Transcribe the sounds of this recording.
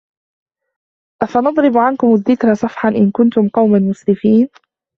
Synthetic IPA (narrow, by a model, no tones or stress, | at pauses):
ʔafanɑd̪ˤɾɪbʕankʊmaðːɪkɾasˤɑfħanʔɪnkʊnt̪ʊmqɑwmanmʊslɪfiːn